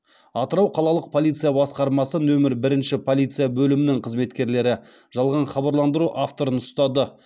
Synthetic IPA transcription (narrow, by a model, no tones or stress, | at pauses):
ɑt̪əɾɑwqʰɑlˠɑlˠəq̚pʰo̞lʲˠijt̪sɨjabɑsqɑɾmɑsənɵmɪɾbɪɾɪnʃɪpʰo̞lʲˠijt̪sɨjabɵlɪmɪnɪŋqʰəzme̞t̪kʲe̞ɾle̞ɾɪ | ʒ̥ɑlˠʁɑɴχɑbɑɾlˠɑnd̪əɾuʔaft̪o̞ɾənʊst̪ɑd̪ə